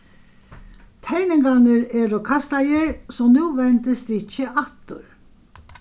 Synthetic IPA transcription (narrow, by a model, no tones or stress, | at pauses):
t̪ʰɛɾnɪŋkanəɾɛɾʊkʰast̪ajəɾsɔmnuːʋɛnt̪əst̪ɪt͡ʃːəʔaht̪ʊɾ